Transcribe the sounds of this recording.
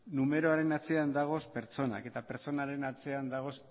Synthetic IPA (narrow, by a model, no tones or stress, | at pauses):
nume̞ɾo̞aɾe̞nat͡se̞and̪aɣ̞o̞spe̞ɾt͡so̞na̰ke̞t̪ape̞ɾt͡so̞naɾe̞nat͡se̞and̪aɣ̞o̞s